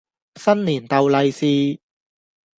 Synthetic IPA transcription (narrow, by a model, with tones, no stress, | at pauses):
sɐ˥nliː˨˩nt̪ɐ˨wlɐ˨˧jsiː˨˧